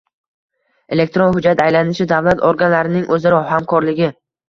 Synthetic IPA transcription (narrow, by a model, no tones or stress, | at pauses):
e̞le̞k̚ʲt̪ɾonhʊd͡ʒat̪ajlanɪʃɪd̪avlat̪ʰoɾɡanlaɾɪnɪŋʔɵzɪɾɒɦamkʰɒɾlɪɡʲɪ